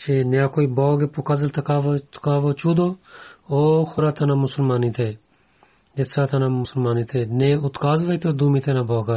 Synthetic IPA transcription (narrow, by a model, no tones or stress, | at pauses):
t͡ʃeːnjãːkoːiːboːɡeːpʊkazəlt̪ʰəkaːʋot̪kaːʋot͡ʃuːd̪oːoːxʰʊɾaːt̪ʰənãːmʊsəlmaːniːt̪ʰeː | d͡ʒɪt̪saːt̪ʰənãːmʊsəlmaːniːt̪ʰeːnẽːʊt̪kaːzʋəiːt̪ʰoːd̪uːmĩːt̪ʰeːnãboːkaː